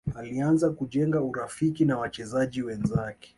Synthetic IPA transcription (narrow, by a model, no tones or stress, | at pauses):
alianzakuʄɛŋɡauɾafikinawat͡ʃɛzaʄiwɛnzakɛ̥